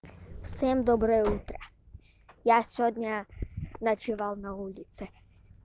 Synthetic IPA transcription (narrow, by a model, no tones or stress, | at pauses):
wsɛmd̪ɔbɾɔut̪ɾɛ | jasʲɔd̪ʲɲanat͡ʃɪʋalˠnaulʲit̪sɛ